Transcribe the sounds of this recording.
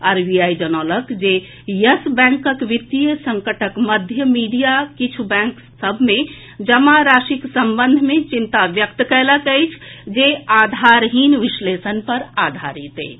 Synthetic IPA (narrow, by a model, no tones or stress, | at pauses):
aɾbiajd͡ʒənɔləkd͡ʒe | jəsbɛ̃ŋkəkʋit̪ijəsəŋkəʈʰəkməd̪ʱjəmiɖijakit͡ʃʰubɛ̃ŋk | səbʱmẽ | d͡ʒəmaɾasiksəmbənd̪ʱmẽt͡ʃint̪aʋjək̚t̪kɛləkəjt͡ʃʰd͡ʒead̪ʱaɾɦinʋislesənpəɾad̪ʱa̰ɾit̪ḛ